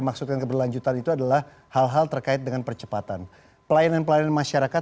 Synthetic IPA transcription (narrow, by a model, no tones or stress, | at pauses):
maksut̪̚kankəbərlaɲd͡ʒut̪anit̪uadalah | halɦalt̪ərkaɪt̪̚dəŋanpərt͡ʃəpat̪an | pəlajananpəlajananmaʃaɾaka